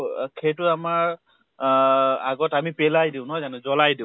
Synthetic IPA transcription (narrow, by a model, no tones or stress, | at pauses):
kʰetʊamaɹ | aɡɔtamipɛlajdiʊ̃nɔzanɛzɔlajdiʊ̃